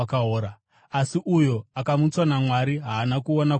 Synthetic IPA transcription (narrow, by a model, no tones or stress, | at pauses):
kaɦoːɾa | asiʔujoakamut͡swanamwaɾiɦaːnakuona